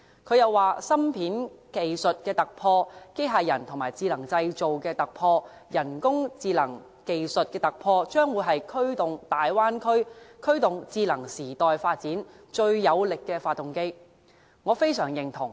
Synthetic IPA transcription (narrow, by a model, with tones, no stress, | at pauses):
kʰɵ˨˧ɥjɐ˨wːaː˨sɐ˥mpʰiː˨˥nke˨jsɵ˨t̚kɛː˧t̪ɐ˨k̚pʰɔː˧ke˥jɦaː˨jɐ˨˩nt̪ʰʊ˨˩maː˨˩jt͡siː˧lɐ˨˩ŋt͡sɐ˧jt͡so˨wkɛː˧t̪ɐ˨k̚pʰɔː˧ | jɐ˨˩nkʊ˥ŋt͡siː˧lɐ˨˩ŋ | ke˨jsɵ˨t̚kɛː˧t̪ɐ˨k̚pʰɔː˧t͡ʃœː˥ŋwuː˨˧jɦɐ˨jkʰɵ˥ɥt̪ʊ˨ŋt̪aː˨jwaː˥nkʰɵ˥ɥkʰɵ˥ɥt̪ʊ˨ŋt͡siː˧lɐ˨˩ŋsiː˨˩t̪ɔː˨jfaː˧t̚t͡siː˨˥n | t͡ʃɵ˧ɥːɐ˨˧wlɪ˨kːɛː˧faː˧t̚t̪ːʊ˨ŋke˥j | ŋɔː˨˧fe˥jsœː˨˩ŋjɪ˨˩ŋt̪ʰʊ˨˩ŋ